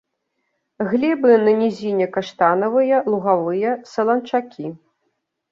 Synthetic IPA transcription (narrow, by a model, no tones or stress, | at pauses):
ɣlʲɛbɨnɐnʲizʲinʲɛkaʂt̪anɐvɨjɐlˠuɣavɨjɐsɐlˠɐnt͡ʂakʲi